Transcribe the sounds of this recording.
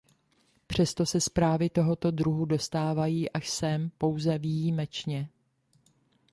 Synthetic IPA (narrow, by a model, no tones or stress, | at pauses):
pr̝̥ɛst̪o̞sɛspɾaːvɪt̪o̞ɦo̞t̪o̞dɾuɦudo̞st̪aːvajiːʔaʃsɛmpo̞wzɛvijiːmɛt͡ʃɲɛ